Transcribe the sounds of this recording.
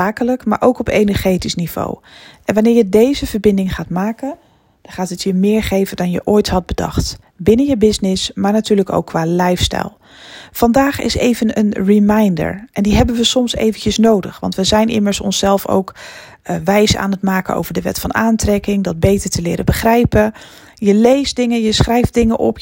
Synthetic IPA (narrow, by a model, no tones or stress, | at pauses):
aːkələkmaːɹʔowkɔpejnəɹχejtisniv̥o̰w | ʔɛnʋanɪːɹjədejzəv̥əɹbɪndɪŋχaːtmaːkən | d̥ɑnχaːtətjəmɪːɹχejvəndɑnjə̰ʔoːjtɦɑd̚bədɑ̰χt | bɪnəjəbɪsnɪsmaːɹnatyːɹləko̰wkːʋaːlɛjfstɛ̰jlˠ | fɑndaːχɪ̰sejvənə̰nrimajndə̰ɹʔɛndiɦɛbənʋəsɔmsḛjvəncəsnowdə̰χʋɑ̰ntʋəzɛjnʔɪ̰məɹsɔ̰nsɛlˠfo̰wk | ʋɛjsa̰ːnətmaːkənʔo̰wvəɹdəʋɛ̰tfɑnaːntrɛkɪŋdɑd̚bejtəɹtəlɪːɾəbəχrɛjpə | jəlejsdɪŋəjəsχrɛjfdɪŋəʔɔ̰p